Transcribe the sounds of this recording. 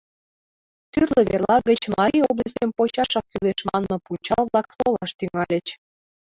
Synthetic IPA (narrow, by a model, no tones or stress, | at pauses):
t̪yrləβerlˠɑɣət͡ɕmɑɾʲiobləsʲəmpot͡ɕɑʃɑk̚kːyleʃmɑnmɤ̆punt͡ɕɑlβlˠɑk̚solɑʃt̪yŋɑlʲə̆t͡ɕ